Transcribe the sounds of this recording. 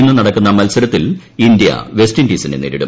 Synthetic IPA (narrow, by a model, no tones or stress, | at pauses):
nːɨnɐɽɐkːunːɐmɐlsɐɾɐt̪ːil | ind̪ijɐ̰ʋe̞sʈindiːsɐneneːɾiɽṵm